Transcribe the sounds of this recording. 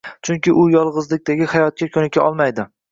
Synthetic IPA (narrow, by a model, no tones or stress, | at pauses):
t͡ʃʰʊŋkʲɪʔʊjɒlˠʁɨzlɪk̚ʲt̪aɡʲɪhajɒt̪̚kʲakʲʰɵnɪkʲʰaʔɒlˠmajd̪ɪ